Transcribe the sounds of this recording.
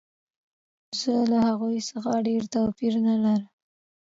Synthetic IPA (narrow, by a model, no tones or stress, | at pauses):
z̥əlahaɣujsəxaɖeɾt̪awpiɾnalaɾəm